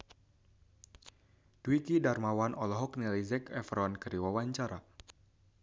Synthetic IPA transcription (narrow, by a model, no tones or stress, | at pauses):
d̥uikidarmawanʔɔlɔɦɔknɛlizɛkɛfɾankəɾiwawaɲt͡ʃaɾa̰